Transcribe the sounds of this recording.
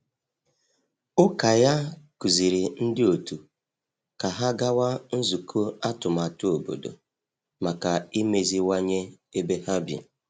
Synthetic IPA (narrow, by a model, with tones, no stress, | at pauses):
ʊ˦ka˨ja˦ku˨zi˨ɾi˨n̩˦dɪ˦o˨tu˨ | ka˨ɦa˦ɡa˦wa˦n̩˦zu˨kʰo˦a˦tʊ˨ma˨tʊ˦o˨bo̰˨do̰˨ | ma˨ka˨i˦me˨zi˦wa˦ɲe˦ | e˦be˦ha˦bḭ˨